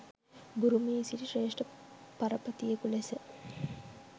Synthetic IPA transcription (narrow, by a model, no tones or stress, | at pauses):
buɾumisiʈiʂreːʂʈəpɐɾɐpɐt̪ijekulesə